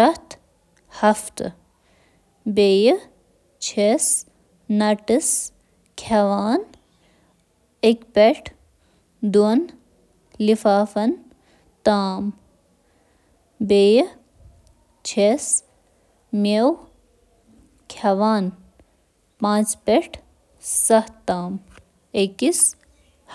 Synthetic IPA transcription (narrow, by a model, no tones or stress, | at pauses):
ʃɐt̪ | hɐft̪ɨ | beːj | t͡ʃʰes | nɐʈəs | kʰɐʋaːn | ekpʲeʈʰ | d̪uɐn | lifaːfɐn | t̪aːm | beːj | t͡ʃʰes | mew | kʰɐʋaːn | pãːt͡ʃpeʈʰ | sɐht̪aːm | ekis